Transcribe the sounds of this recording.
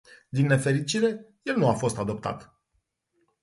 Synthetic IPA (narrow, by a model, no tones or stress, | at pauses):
d̪inːe̞fe̞ɾit͡ʃiɾe̞je̞lnuafo̞st̪ad̪o̞p̚t̪a̰t̪